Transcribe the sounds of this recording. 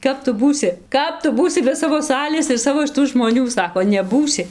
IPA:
ˈkɐp tʊ ˈbuːsʲɪ ˈkɐp tʊ ˈbuːsʲɪ bʲɛ ˈsɑːʋoː ˈsɑːlʲeːs ɪr ˈsɑːʋoː ʃʲɪˈtuː ʒmoːˈnʲuː ˈsɑːkoː nʲɛˈbuːsʲɪ

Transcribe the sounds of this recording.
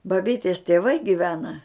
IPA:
bɐˈbʲiːtʲeːs tʲeːˈʋɐɪ ɡʲɪˈʋʲæːnɐ

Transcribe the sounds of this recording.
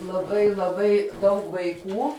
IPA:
lˠɐˈbɐɪ lˠɐˈbɐɪ dɐʊk ʋɐɪˈkuː

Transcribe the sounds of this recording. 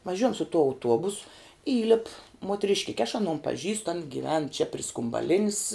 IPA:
ʋɐˈʒʲuɔjɛm sʊ tuɔ ɐʊˈtuɔbʊs ˈiːlʲɪp muɔtʲrʲɪʃʲˈkʲɪkʲɛ ɐʃ ɐˈnoːn pɐˈʒʲiːstʊ ɐn ɡʲiːˈʋʲɛn t͡ʃʲɛ pʲrʲɪ skʊmbɐˈlʲɪnʲɪs

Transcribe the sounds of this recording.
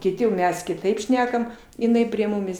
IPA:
kʲɪˈtʲɪ jɛʊ ˈmʲɛs kʲɪˈtɐɪp ˈʃʲnʲæːkɐm ɪˈnɐɪ pʲrʲiɛ ˈmʊmʲɪs

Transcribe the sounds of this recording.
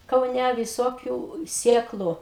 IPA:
kɐʊˈnʲæ ʋʲɪˈsoːkʲʊ ˈsʲeːklˠʊ

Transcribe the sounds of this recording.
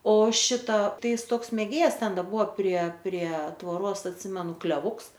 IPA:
oː ˈʃʲɪtɐ ˈtɐɪ ˈɪs ˈtoːks mʲeːˈɡʲeːjɛs ˈtʲɛn ˈdɐ ˈbʊʋoː pʲrʲiɛ pʲrʲiɛ tʋoːˈroːs ɐtʲˈsʲɪmʲɛnʊ klʲɛˈʋʊks

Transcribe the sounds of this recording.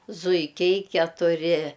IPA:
zʊɪˈkʲɛɪ kʲɛtʊˈrʲɪ

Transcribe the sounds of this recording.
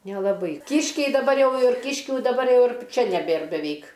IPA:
nʲɛlˠɐˈbɐɪ ˈkʲiːʃʲkʲɛɪ dɐˈbɐr ˈjɛʊ ɪr ˈkʲiːʃʲkʲuː dɐˈbɐr ˈjɛʊ ɪr ˈt͡ʃʲɛ nʲɛˈbʲeːr bʲɛˈʋʲɛɪk

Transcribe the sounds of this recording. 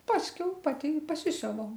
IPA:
ˈpɑːsʲkʲɛʊ ˈpɑːtʲɪ ɪ pɐˈsʲɪsʲʊʋɐʊ

